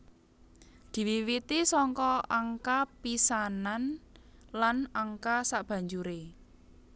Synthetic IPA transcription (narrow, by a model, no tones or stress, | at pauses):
d̪̥i̤wiwit̪isɔŋkɔaŋkapisananlanaŋkasaʔb̥ä̤ɲd͡ʒuɾe